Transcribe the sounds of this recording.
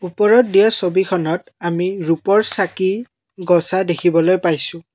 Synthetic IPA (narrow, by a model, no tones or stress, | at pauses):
upɔɹɔt̚diasobikʰɔnɔt̚ | amiɹupɔɹsaki | ɡɔsadekʰibɔlojpajsʊ̃